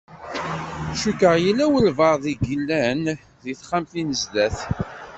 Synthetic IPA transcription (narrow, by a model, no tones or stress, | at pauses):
ʃukəʁjilːæwəlvɑɾˤðiɡilːæn | ðiθχamθinəzd̪æθ